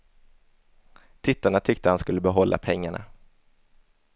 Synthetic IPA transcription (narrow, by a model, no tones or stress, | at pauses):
t̪ʰɪt̪ːaɳat̪ʰʏkt̪əhanskɵlːəbɛɦɔlːʔa̰pʰɛŋːaɳa̰